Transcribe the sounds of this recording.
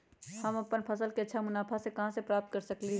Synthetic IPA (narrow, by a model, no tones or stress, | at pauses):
hɐmɐpənpʰɐsəlkeɐtːʃʰamʊnaːpʰasekɐɦãsepɾaːp̚t̪̚kɐɾsɐkli